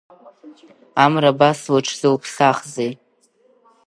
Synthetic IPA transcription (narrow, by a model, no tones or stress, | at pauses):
amrabaswaʈ͡ʂʰzɨlpʰɬaχzej